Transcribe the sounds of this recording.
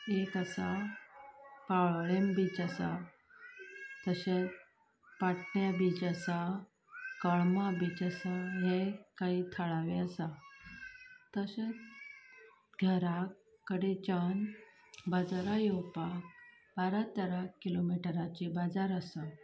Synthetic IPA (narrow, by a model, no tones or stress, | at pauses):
ekasa | paɭɭembiːt͡ɕasa̰ | t̪əset͡s | paʈɳjabit͡ɕasa | kəɭmabiːt͡ɕasaɦekaiːt̪ʰəɭaʋeəsa | t̪əset͡s | ɡʱəɾakː | əɽet͡ɕən | bad͡zaɾajewpak̚ | baɾat̪əɾakːilomiʈəɾat͡ɕibad͡zaɾəsə